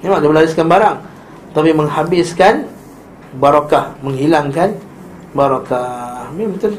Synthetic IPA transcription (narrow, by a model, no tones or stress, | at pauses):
nemaʔdiaməlaɾɪskanbaɾaŋ | t̪apimə̃ŋhabɪskan | baɾakahmə̃ŋhilaŋkan | baɾakahmimət̪ʊn